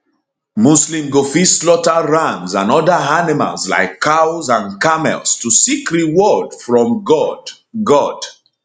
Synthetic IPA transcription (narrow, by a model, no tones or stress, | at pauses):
muslĩmɡofislɔtaɹãmzãnɔdaanima̰lzla̰ɪkʰːawzãnkamɛ̰lstusikɹiwɔdfɹɔ̃mɡɔd | ɡɔd̥